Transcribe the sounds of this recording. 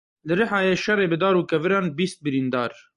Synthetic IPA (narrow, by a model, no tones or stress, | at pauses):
lɨɾɨħɑːjeːʃɛreːbɨd̪ɑːɾuːkɛvɨɾɑːnbiːst̪̚bɨɾiːnd̪ɑːɾ